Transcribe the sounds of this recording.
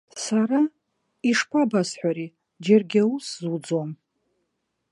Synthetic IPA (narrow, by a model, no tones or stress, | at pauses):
saɾa | iʂpʰabazħʷaɾi | d͡ʒerɡʲauszud͡zom